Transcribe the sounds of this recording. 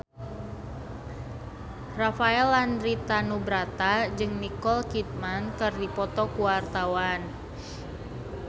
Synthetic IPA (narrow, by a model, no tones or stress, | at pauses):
rafaɛlandɾit̪anubɾat̪ad͡ʒɨŋnikɔlkit̪̚mankɨrdipɔt̪ɔkuwart̪awan